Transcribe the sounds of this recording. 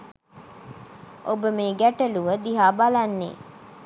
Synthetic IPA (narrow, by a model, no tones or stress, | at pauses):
ʔobəmeːɡæʈəluʋəd̪iɦaːbalanːḛː